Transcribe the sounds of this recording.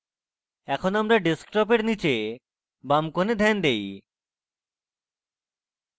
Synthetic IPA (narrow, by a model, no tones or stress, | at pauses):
ɛkʰonamɾaɖeskʈɔp̬eɾnit͡ɕe | bamkoned̪ʱɛnd̪ej